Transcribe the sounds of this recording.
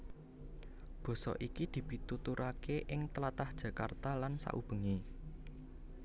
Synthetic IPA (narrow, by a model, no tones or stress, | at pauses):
b̥ɔ̤sɔ̰ʔikid̪̥i̤b̥i̤t̪ut̪uɾʔakeʔɪŋt̪əlat̪ahd̥ʒ̥ä̤ka̰rt̪alansa̰ʔub̥ə̤ŋe